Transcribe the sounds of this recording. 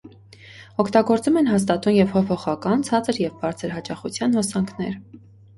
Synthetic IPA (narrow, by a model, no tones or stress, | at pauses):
ɔkʰt̪ɑɡɔɾt͡sumɛnɦɑst̪ɑt̪umjɛv̥hɔpʰɔχɑkɑnt͡sʰɑt͡səɾjɛvbɑɾt͡sʰəɾɦɑt͡ʃɑχut͡sʰjɑnhɔsɑŋkʰnɛ̰ɾ